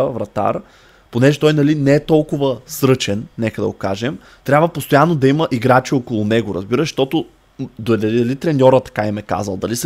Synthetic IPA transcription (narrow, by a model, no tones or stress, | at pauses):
vɾɐt̪a̰ɾ | ponɛʒɛt̪ɔjnɐlinɛɛt̪ɔlˠkʊvəsɾɤt͡ʃɛnnɛkəd̪ɐ̰ɡokaʒɛm | t̪ɾʲabvəpost̪ojanːod̪ɐiməʔiɡɾat͡ʃiokolˠʊnɛɡʊɾɐ̰zbiɾəʃʃt̪ɔt̪ʊ | d̪ɐɐid̪ɐlit̪ɾɛnʲɔɾət̪ɐ̥kaimɛka̰zɐlˠd̪ɐlis